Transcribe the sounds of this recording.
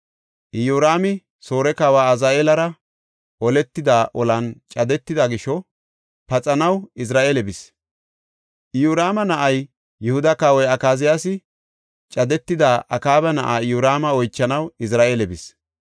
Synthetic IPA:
ʔɪjuːɾaːmɪ | soːɾɛkaːwaːɐzaːʔeːlɐɾɐ | ʔɔlɛt̪ːɪd̪aːʔɔlɐnt͡ʃʼɐd̪ɛt̪ːɪd̪ɐɡɪʃɔ | pɐt͡sʼɐnɐwɪs̬ɾaːʔeːlɛbɪs | ʔɪjuːɾaːmɐnɐʔɐj | jʊhʊd̪ɐkaːwɔjɐkaːzɪjaːsɪ | t͡ʃʼɐd̪ɛt̪ːɪd̪aːʔɐkaːbɐnɐ̰ʔaːɪjuːɾaːmɐɔjt͡ʃːɐnɐwɪs̬ɾaːʔeːlɛbɪs

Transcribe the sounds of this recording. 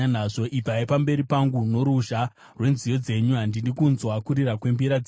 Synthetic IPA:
anaʐo̞ʔipaipambe̞ɾipaŋɡuno̞ɾuʒa | rwe̞nzijo̞d͡ze̞ɲuɦandinɗikunzwakuɾiɾakwe̞mbiɾa

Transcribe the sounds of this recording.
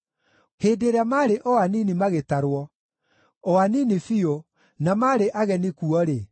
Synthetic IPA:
heːdeɾamaɾeʔɔaninimaɣetaɾwɔ | ɔaninifio | namaɾeʔaɣɛnikuɔɾe

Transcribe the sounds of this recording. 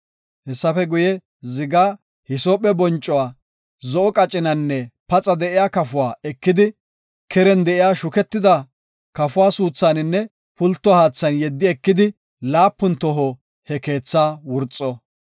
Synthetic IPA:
hɛsːɐfɛɡʊjɛ | zɪɡaː | hɪsoːpʼːɛbɔnt͡ʃʼːɔwaː | zɔʔɔkʼɐt͡ʃʼːɪnɐnːɛpɐt͡sʼɐd̪ɛʔɪjaːkɐfʊwaːɛkːɪd̪ɪ | kʰɛɾɛnd̪ɛʔɪjaːʃʊkɛt̪ːɪd̪ɐ | kɐfʊwaːsuːt͡sːaːnɪnːɛ | pʊlt̪ːɔhaːt͡sːɐnjɛd̪ːɪɛkːɪd̪ɪ | laːpːʊnt̪ɔɦo | hɛke̞ːt͡sːaːwʊɾt͡sʼːɔ

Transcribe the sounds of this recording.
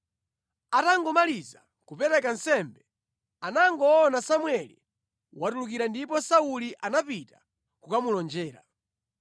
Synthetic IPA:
ataŋɡɔmaliza | kupɛɾɛkansɛmbɛ | anaŋɡɔːnasamwɛlḭ | watuluk̬iɾandipɔsauliʔanapita | kukamulɔnd͡ʒɛːɾa̰

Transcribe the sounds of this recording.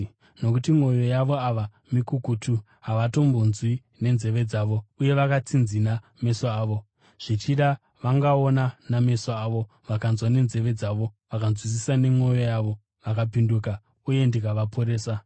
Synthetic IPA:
no̞kutimwo̞jo̞jaʋo̞aʋa | mikukutʰu | ɦaʋato̞mbonzwi | ne̞nze̞ʋe̞d͡zaʋo̞uje̞ʋakat͡sinzina | me̞soaːʋo̞ | ʐ̥it͡ʃiɗa | ʋaŋɡaonaname̞soaːʋo̞ | ʋakanzwane̞nze̞ʋe̞d͡zaʋo̞ʋakanzwis̬isane̞mwo̞jo̞jaʋo̞ | ʋakapinduka | uje̞ndikaʋapʰo̞ɾe̞ːsa

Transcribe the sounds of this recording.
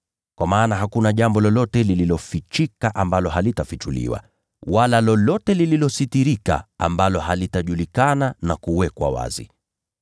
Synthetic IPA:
kwamaːnaɦakunaʄambɔlɔlɔtɛlililɔfit͡ʃikaʔambalɔɦalitafit͡ʃulḭwa̰ | walalɔlɔtɛlililɔsitiɾika̰a̰mbalɔhalitaʄulikananakuwɛkwa̰wa̰zḭ

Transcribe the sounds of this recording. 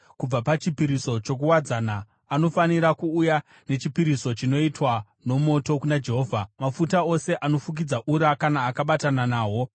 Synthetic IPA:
kub͡vapat͡ʃipiɾiso̞t͡ʃo̞k̬uwad͡zanaː | no̞faniɾakuːja | ne̞t͡ʃipiɾiso̞t͡ʃino̞itwa | no̞mo̞to̞kunad͡ʒe̞ɦo̞ːvʱamafutao̞se̞ʔano̞fuk̬id͡zaʔuɾakanaːkaɓatananaːɦo̞

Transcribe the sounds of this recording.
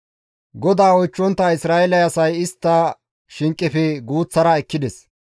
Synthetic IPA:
ɡɔd̪aːɔjt͡ʃːɔnt̪ːɐɪsɾaːɛlɐjɐsɐjɪst̪ːɐ | ʃɪŋkʼːɪfɛɡuːt͡sːɐɾɐɛkːɪd̪ɛs

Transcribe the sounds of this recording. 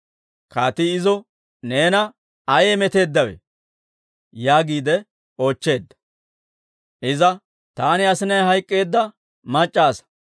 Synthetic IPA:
kaːt̪ɪːzɔ | ne̞ːnɐ | ɐjeːmɛt̪e̞ːd̪ːɐwḛ | jaːɡiːd̪ɛ | oːt͡ʃːe̞ːd̪ːɐ̥ | ʔɪzɐ | t̪aːnɪɐsɪnɐjɦɐjkʼːe̞ːd̪ːɐ | mɐt͡ʃʼːaːsɐ̥

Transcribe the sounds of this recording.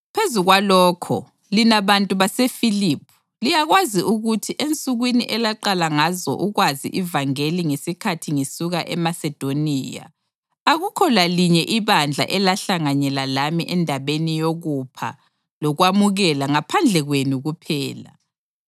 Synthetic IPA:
pʰezuɣwalɔːkʰɔ̰ | linaβantʼuβasefilipʰu̥ | lijaɣwaziʔuɣutʰiʔent͡sʼuɣwiniʔɛlaǃalaŋazɔ̰ʔuɣwazḭʔivaŋeliŋesikʰatʰiŋesuɣaʔɛmasɛd̥ʱoniːja̰ | aɣukʰɔlaliɲɛʔiβand͡ɮʱa̰ʔɛlaɬaŋaɲɛlalamiʔɛndʱaβenijoɣupʰa̰ | lɔɣwamuɣɛlaŋapʰand͡ɮʱɛɣwenuɣupʰɛːla̰

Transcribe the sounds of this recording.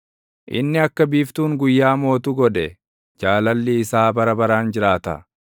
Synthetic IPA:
ʔɪ̰nːɪɐkːɐbiːft̪uːŋɡʊjːaːmo̞ːt̪uɡɔᶑɛ | d͡ʒaːlɐlːiːsaːbɐɾɐbɐɾaːnd͡ʒɪɾaːt̪ɐ̰

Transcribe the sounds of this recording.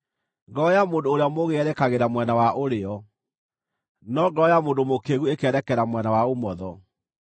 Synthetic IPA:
ŋɡɔjamoːndoːɾeamoɣeɛɾɛkaɣeɾamwɛnawaʔoɾeɔ | nɔɡɔjamoːndomokeɣuekɛɾɛkɛɾamwɛnawaomɔðɔ

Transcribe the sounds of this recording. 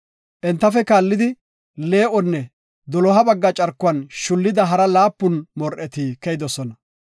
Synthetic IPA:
ʔɛnt̪ːɐfɛkaːlːɪd̪ɪ | le̞ːʔɔnːɛ | d̪ɔlɔɦɐbɐɡːɐt͡ʃʼɐɾkːʊɐnʃʊlːɪd̪ɐɦɐɾɐlaːpːʊnmɔɾʔɛt̪iːkɛjɪd̪ɔsɔnɐ

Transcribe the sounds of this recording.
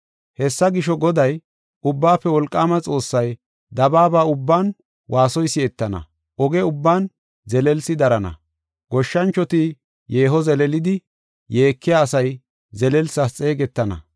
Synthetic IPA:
hɛsːɐɡɪʃɔɡɔd̪ɐj | ʊbːaːpːɛwɔlkʼːaːmɐt͡sʼo̞ːsːɐj | d̪ɐbaːbaːʊbːaːn | wʔaːsɔjsːɪɛt̪ːɐnɐ̰ | ʔɔɡɛʊbːaːn | zɛlɛlsɪd̪ɐɾɐnɐ̰ | ɡ̥ɔʃːɐnt͡ʃːɔt̪i | je̞ːɦɔzɛlɛlɪd̪ɪ | je̞ːkːɪjaːsɐj | zɛlɛlsɐst͡sʼe̞ːɡɛt̪ːɐnɐ̰

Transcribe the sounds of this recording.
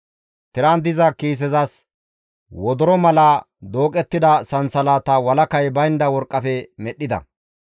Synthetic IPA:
t̪ɪɾand̪ɪzɐkiːs̬ɛzɐs | wɔd̪ɔɾɔmɐlɐ | d̪o̞ːkʼɛt̪ːɪd̪ɐsɐnsɐlaːt̪ɐwɐlɐkɐjbɐjnd̪ɐwɔɾkʼːɐfɛmɛɗːɪd̪ɐ̰

